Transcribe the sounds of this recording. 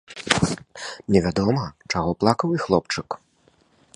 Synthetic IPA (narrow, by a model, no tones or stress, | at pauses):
nʲɛvʲad̪ɔmɐt͡ʂaɣɔplˠakɐwixlˠɔp̚t͡ʂɨk